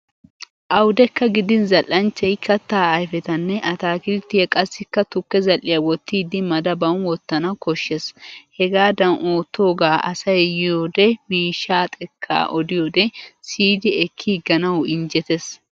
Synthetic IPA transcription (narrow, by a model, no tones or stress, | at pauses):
ʔɐwd̪ɛkːɐɡɪd̪ɪnzɐlʔːɐnt͡ʃːɛjkʰɐt̪ːaːɐjfɛt̪ɐnːɛʔɐt̪aːkɪlt̪ːɪjɐkʼɐsːɪkːɐt̪ʊkːɛzɐlːɪjɐwɔt̪ːiːd̪ɪmɐd̪ɐbɐwnwɔt̪ːɐnɐkɔʃːɛshɛɡaːd̪ɐnʔoːt̪ːo̞ːɡaːʔɐ̰sɐjjɪjoːd̪ɛmiːʃːaːt̪ʼɛkʰːa̰ːʔɔd̪ɪjod̪ɛsiːd̪ɪɛkʰːiːɡɐnɐwɪnd͡ʒɛt̪ɛs